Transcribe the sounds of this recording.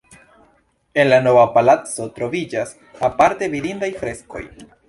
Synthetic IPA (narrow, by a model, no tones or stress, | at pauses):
e̞nlano̞vapalat͡so̞tɾo̞vid͡ʒas | apaɾtevidindajfɾe̞sko̞̰j